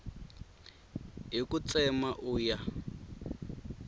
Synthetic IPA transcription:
ɦikut͡sɛmaʔuja

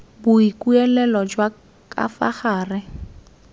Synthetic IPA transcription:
bʊikuɛlɛlɔd͡ʒwa | kʼa̰fa̰χaːrɪ

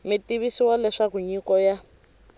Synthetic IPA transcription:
mitiβisiwalɛʂakuɲikɔja

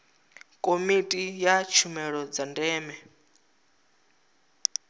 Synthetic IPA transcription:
kʼomitʼijat͡ʃʰumɛɺɔd͡zandɛːmɛ

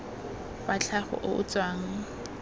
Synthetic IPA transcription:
bat͡ɬʰaχɔ̰ʔʊʔʊt͡sʼwaːŋ̩

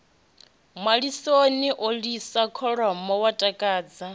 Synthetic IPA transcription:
maɺisoniʔolisakʰɔɺɔmɔwatʼakʼaːd͡za

